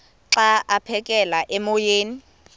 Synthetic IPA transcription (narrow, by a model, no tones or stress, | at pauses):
ǁaʔapʰɛkʼɛlaʔɛmojeːni